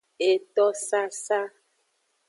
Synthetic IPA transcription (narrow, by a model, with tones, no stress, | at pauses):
e˨t̪ɔ˦sa˦sa˦